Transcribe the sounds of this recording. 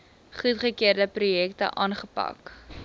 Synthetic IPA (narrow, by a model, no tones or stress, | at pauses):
χutχəkiərdəprujɛktə̰ʔɑːnχəpɐ̰k